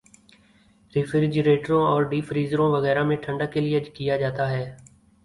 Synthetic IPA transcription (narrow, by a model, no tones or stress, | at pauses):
ɾɪːfɪɾɪd͡ʒəɾeːʈəɾõːɔːɾɖiːfɾiːzɾõːʋəɣɛːɾaːmẽːʈʰə̃ɳɖaːkelɪeəd͡ʒkɪjaːd͡ʒaːt̪aɦɛː